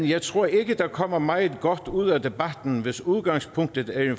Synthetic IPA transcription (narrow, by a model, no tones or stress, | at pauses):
njɑ̈ɪt͡sʰʁo̝ɐ̰e̝ɡ̥əd̥ɑ̈kʰɒ̽m̰ɐmɑ̈ɪð̩ˠɡ̥ɒd̥uð̞̰ˠæd̥e̝b̥æd̥n̩ʋe̝suð̞ˠɡ̥ɑ̈ŋ̰spʰɔŋ̰d̥ð̩ˠæ